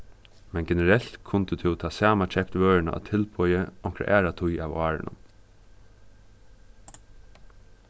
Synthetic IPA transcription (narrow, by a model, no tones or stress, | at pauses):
mɛnɡɛnəɾɛl̥t̪kʰʊnt̪ət̪ʰɪwt̪ʰɑːsæːmat͡ʃʰɛpt̪ʋøːɹɪna̰ʔa̰t̪ʰɪlpʰɔjəɔŋkɾa̰ʔæːɾat̪ʰʊja̰ːʋɑːɹɪ̰nʊ̰m